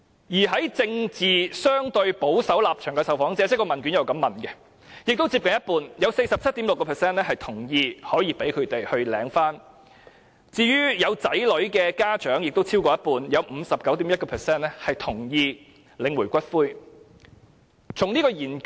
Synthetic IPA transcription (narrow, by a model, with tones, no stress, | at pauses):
jiː˨˩ɦɐ˨˥jt͡sɪ˧ŋt͡siː˨˩sœː˥ŋt̪ɵ˧ɥpo˨˥wsɐ˨˥wlaː˨p̚t͡ʃʰœː˨˩ŋkɛ˧sɐ˨wfɔː˨˥ŋt͡sɛː˥t͡sɛ˥kɔː˧mɐ˨nkyː˨˥njɐ˨˩wkɐ˧mːɐ˨˩nkɛ˧ | jɪ˨k̚t̪o˥wt͡siː˧p̚kɐ˨˩njɐ˥t̚puː˨˧njɐ˨˧wse˧jsɐ˨p̚t͡sʰɐ˥t̚t̪iː˨˥mlʊ˨kːɔ˧pʰɛː˨˩sɛː˥nɛ˥hɐ˨jt̪ʰʊ˨˩ŋjiː˧hɔː˨˥jiː˧pe˨˥jkʰɵ˨˧ɥt̪e˨jhɵ˧ɥlɛː˨˧˥ŋfaː˥n | t͡siː˧jyː˥jɐ˨˧wt͡sɐ˨˥jlɵ˨˥ɥkɛː˧kaː˥t͡ʃœː˨˥ŋjɪ˨k̚t̪o˥wt͡sʰiː˥wkɔː˧jɐ˥t̚puː˨˧njɐ˨˧wm̩˨˧sɐ˨p̚kɐ˨˥wt̪iː˨˥mjɐ˥t̚kɔ˧pʰːsɛː˥nlɛ˥hɐ˨jt̪ʰʊ˨˩ŋjiː˧ | lɪ˨˧ŋwuː˨˩kʷɐ˥t̚fuː˥j | t͡sʰʊ˨˩ŋniː˥kɔː˧jiː˨˩n